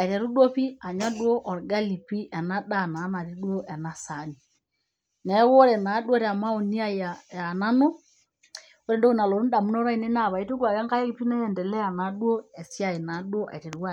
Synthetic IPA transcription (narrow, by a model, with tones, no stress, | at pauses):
a˨i˨tɛ˨ɾu˦ɗɔ˦pi˦a˨ɲa˦ɗwɔ˦ʔɔ˨ɾɡa˦li˨pi˦ʔɛ˨na˦ɗa˦˨naː˨˦na˨ɾi˦ɗwɔ˦ʔɛ˨na˦sa˨ni˨ | nɛ˨˦wɔ˦ɾɛ˨na˨˦ɗu˦ɔ˦ɾɛ˨a˨ma˦ɔ˨ni˦a˦jaja˨na˦nɔ˦ | ɔ˦ɾɛ˦ndɔ˦u˦na˨lɔ˨u˦da˨mu˦nɔ˦ɾa˦i˨˦nɛ˦na˦˨βa˨i˦tu˦ɡwa˨kɛ˦ŋɡa˦ɛ˦i˦pi˦nɛ˦jɛ˨ndɛ˨lɛ˦a˨na˨˦ɗwɔ˦ɛ˨si˦a˦˨i˨na˨˦ɗwɔ˦ʔa̰˨i˨tɛ˨ɾu˦wa˦